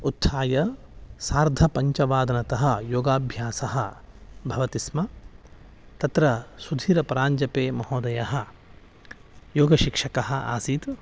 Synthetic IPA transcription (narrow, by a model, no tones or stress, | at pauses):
ut̪ʰsaːjɐsaːɾd̪ʱɐpɐɲt͡ʃɐʋaːd̪ɐnɐt̪ɐɦɐ̆joːɡaːbʱjaːsɐɦɐ | bʱɐʋɐt̪ismɐ | t̪ɐt̪ɾɐsud̪ʱiːɾɐpɐɾaːɲd͡ʒɐpeːmɐɦoːd̪ɐjɐɦɐ̆ | joːɡɐʃikʂɐkɐɦɐ̆a̰ːsiːt̪